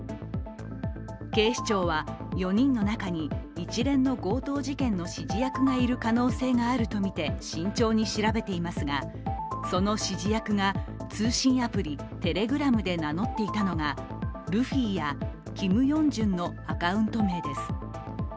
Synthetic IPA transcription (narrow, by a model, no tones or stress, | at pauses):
ke̞ːɕi̥t͡ɕo̞ːβa | jo̞ɲ̟ĩnːo̞nakaɲ̟iːt͡ɕiɾẽ̞nːo̞ɡo̞ːt̪o̞ːʑikẽ̞nːo̞ɕiʑijakɯ̟ɡaiɾɯ̟kano̞ːse̞ːŋaːɾɯ̟t̪o̞mʲit̪e̞ɕĩɲ̟t͡ɕo̞ːɲ̟iɕiɾabe̞t̪e̞imasɨɡa | so̞no̞ɕiʑijakɯ̟ŋat͡sɨːɕĩɰ̃apɯ̟ɾʲi | t̪e̞ɾe̞ɡɯ̟ɾamɯ̟d̪e̞nano̞t̪ːe̞it̪ano̞ɡa | ɾɯ̟ɸiːja | kʲimɯ̟jõ̞ɲd͡ʑɨ̃nːo̞ | akaɯ̟̃nt̪o̞me̞ːd̪e̞sɨ̥